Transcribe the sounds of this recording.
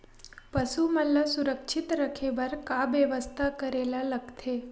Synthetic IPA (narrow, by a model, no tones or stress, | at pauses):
pəsuməlːasuɾəkʃʰit̪ɾəkʰebəɾkabəʋəst̪ʰakəɾelaləkt̪ʰe